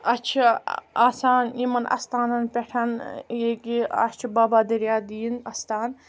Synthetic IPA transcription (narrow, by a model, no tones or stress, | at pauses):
ɐt͡ʃʰiaːsaːnimɐnʔɐ̰st̪aːnɐnpʲeʈʰɐneːkiɐ̰t͡ʃʰibaːbaːd̪ɐɾjaːd̪iːnɐst̪aːn